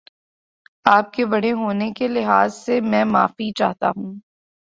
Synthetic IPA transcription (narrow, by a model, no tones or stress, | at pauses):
aːp̚kebɐɽ̤eɦoːnekelɪɦaːzsemɛ̃ːma̰ːfit͡ʃa̰ːɦt̪a̰ɦũː